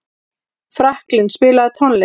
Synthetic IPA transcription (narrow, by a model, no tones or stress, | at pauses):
fɾahklɪnspɪːlaðɪt̪ʰɔnlɪ